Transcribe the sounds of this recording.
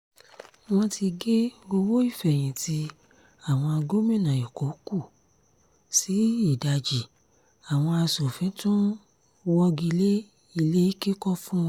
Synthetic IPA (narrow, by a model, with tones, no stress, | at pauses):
w̃ɔ̃˧ti˧ɡe˦ɡo˧wo˦i˦˨fɛ˨j̃ĩ˨tʰi˧ | a˦˨w̃ɔ̃˧a˧ɡo˦mĩ˦˨nã˨ji˨ko˨˦ku˦˨ | si˨˦i˦˨da˧d͡ʒi˨ | a˨w̃ɔ̃˧a˧so˨fĩ˨˦tũ˦ | wɔ˧ɡi˧le˦ | i˧le˦i˦ki˦kɔ˦fũ˦w̃ɔ̃˦˧